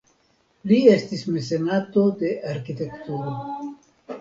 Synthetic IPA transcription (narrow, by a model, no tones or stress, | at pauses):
lie̞stismise̞nat̪o̞d̪e̞ʔaɾkit̪e̞kt̪uɾo